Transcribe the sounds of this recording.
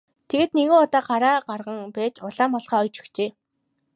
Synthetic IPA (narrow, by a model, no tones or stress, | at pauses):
t̪ʰeɣeːt̪̚neɣoːɔt̪ɔːɢaɾaːɢarʁə̆ŋpæːt͡ɕʊɮaːmɔɮχɔːɔjt͡ɕɵ̥̆xt͡ɕeː